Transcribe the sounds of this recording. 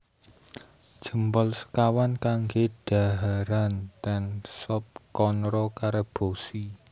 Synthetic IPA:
d̥ʒ̥ə̤mpɔlsə̥kawankaŋɡed̥a̤ɦaɾant̪ɛnsɔp̚kɔnɾɔkaɾeb̥osi

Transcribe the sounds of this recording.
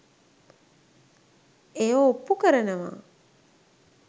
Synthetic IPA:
eoopːukəɾənəʋa̰

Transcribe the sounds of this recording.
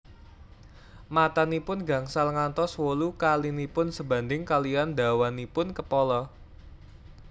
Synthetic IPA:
mat̪anipʊnɡa̤ŋsalŋant̪ɔswolukalinipʊnsəba̤nd̪ɪŋkaliand̪a̤wanipʊnkəpɔlɔ

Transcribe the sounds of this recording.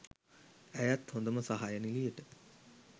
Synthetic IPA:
æjæt̪hõnd̪əməsaɦajənilijəʈə

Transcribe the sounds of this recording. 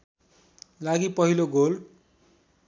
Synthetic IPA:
laɡipʌɦiloɡol

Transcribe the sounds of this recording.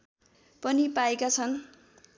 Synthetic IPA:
pʌnipaekat͡sʰʌn

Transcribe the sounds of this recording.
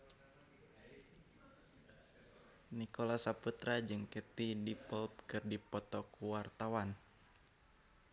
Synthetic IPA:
nikolasaput̪ɾad͡ʒɨŋkət̪idipɔlp̚kɨrdipɔt̪ɔkuwart̪awan

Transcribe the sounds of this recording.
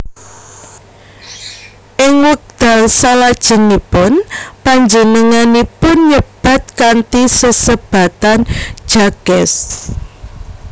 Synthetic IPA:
ʔɪŋwək̚d̪̥a̤lsalad̥ʒ̥ə̤nipʊnpaɲd͡ʒənəŋanipʊnɲəb̥a̤t̪̚kant̪isəsəb̥a̤t̪an̥ʒ̥a̤ɡ̥ɛs

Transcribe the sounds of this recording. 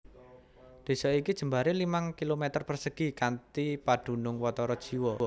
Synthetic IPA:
d̪̥e̤sɔikid̥ʒ̥ə̤mbaɾelimaŋkilomet̪ərpərsəɡ̥ikant̪ipaɖ̪̥ṳnʊŋwɔt̪ɔɾɔd̥ʒ̥i̤wɔ

